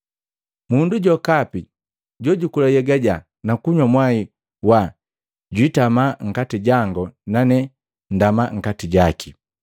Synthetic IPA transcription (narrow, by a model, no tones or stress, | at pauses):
munduɟɔkapi | ɟɔɟukulajɛɡaɟa | nakuɲwamwai | wa | ɟwitamaŋ̩katiɟaŋɡɔnanɛ | ndamaŋ̩katiɟaki